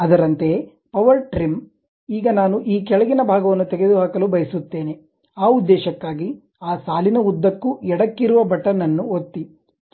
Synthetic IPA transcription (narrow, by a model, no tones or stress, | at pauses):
ɐd̪ɐɾɐnt̪e̞ | pɐʋɐɾʈɾim | iːɡɐnaːnuʔiːkɛɭɐɡinɐbʱaːɡɐʋɐnːut̪ɛɡed̪uɦaːkɐlubɐjɐsut̪ːe̞ːne̞ | aːud̪ːɛːʃɐkːaːɡi | aːsaːlinɐud̪ːɐkːuɛɽɐkːiɾuʋɐbʱɐʈːɐnɐnːuot̪ːi